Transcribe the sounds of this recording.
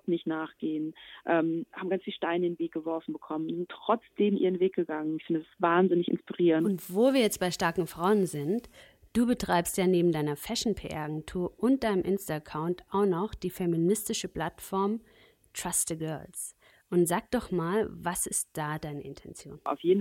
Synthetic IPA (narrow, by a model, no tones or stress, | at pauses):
nɪçtnaːχɡ̥eːənʔɛːmhaːbm̩ɡant͡sfiːlʃtaɪndeːnveːk̚ɡ̥əvɔɐfn̩bəkʰɔmənʊzɪntːʁ̥ɔt͡sd̥eːmʔiːʁənveːk̚ɡ̥əɡaŋənɪçfɪndədasvaːnzɪnɪçɪ̰nspiʁiːʁəntʊntv̥oːviːɐjɛt͡st̚b̥aɪʃtaɐkŋ̩fʁ̥aʊənzɪnt | d̥uːbətʁ̥aɪpstjaːneːbm̩daɪnɐfɛʃn̩pʰeːʔɛ̰ɐaɡɛntʰuːɐʔʊnt̚d̥aɪnəmʔɪnstaakʰaʊntʔaʊxnɔχd̥iːfɛminɪstɪʃəpl̥atfɔɐm | tʁ̥astəɡœɐls | ʔʊntz̥aːk̚d̥ɔχmaːlvasɪstd̥aːdaɪnəʔɪntʰɛnt͡sjo̰ːna̰ʊfjeːn̩